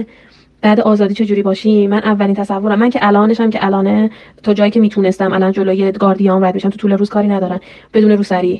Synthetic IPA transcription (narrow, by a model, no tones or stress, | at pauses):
b̥æːd̪eʔɒːzɒːd̪iːt͡ʃʰe̞d͡ʒuːɾiːbɒːʃimːænʔævːælint̪ʰæsævːo̞ɾæmːæncʰeʔælɒːneʃæmcʰeʔælɒːnet̪ʰɒːd͡ʒɒːjiːcʰe̞miːt̪ʰuːne̞st̪æmʔælɒːnd͡ʒoloːje̞ɡɒːɾd̪ijɒːmnbɒjæd̪beʃæmt̪ʰut̪ʰuːleɾuːz̥kʰɒːɾiːnæd̪ɒːɾæm | b̥e̞d̪uːne̞ɾuːsæɾiː